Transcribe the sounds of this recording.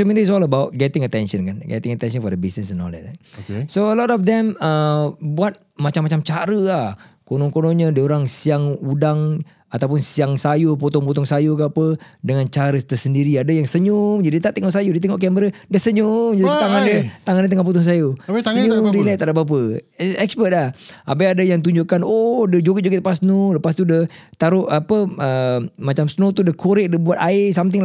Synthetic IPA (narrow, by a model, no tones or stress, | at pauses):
kəmɛndis̬ɔləbawʔɡɛt̪ɪŋət̪ɛnʃənkanɡɛ̰t̪ɪŋət̪ɛnsənfɔdəbisnəsɛnɔ̰lɛ̰t͡ʃa̰soəlɔtɔfd̪ɛməbuat̪̚mat͡ʃamːat͡ʃamt͡ʃaɾəahkonɔŋkonɔɲədəoɾaŋsiaŋudaŋ | at̪awp̬ʊnsiaŋsajupot̪ɔŋput̪ɔŋsajukəapədəŋant͡ʃaɾət̪əsəndiɾiadəjaŋsəɲumd͡ʒadit̪aʔt̪ɛŋɔʔsajodət̪̬ɛŋɔʔkɛməɾədəsəɲʊŋd͡ʒadiaŋandət̪aŋandət̪əŋapɔt̪ɔŋs̬ajosəɲuŋdinat̪adabap̬əɛkspət̪̚lahap̬aadəjaŋt̪̬uɲd͡ʒʊʔkanodəd͡ʒoɡəd͡ʒoɡət̪əpasnoləpast̪udət̪aɾʊapəʔəmat͡ʃamsnot̪udəkʰoɾɛʔ̚dəbuat̪aɪsamt̪ɪŋ